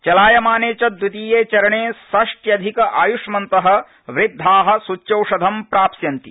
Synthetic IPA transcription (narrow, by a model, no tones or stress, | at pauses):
t͡ʃɐlaːjɐmaːneːt͡ʃɐd̪wut̪iːjeːt͡ʃɐɾɐɳeːsɐʂʈjɐd̪ʱikɐʔaːjuʂmɐnt̪ɐɦɐ̆ | ʋɾɪd̪ʱːaːɦɐ̆sut͡ʃːjɐwʂɐd̪ʱɐmpɾaːpsjɐnt̪ḭ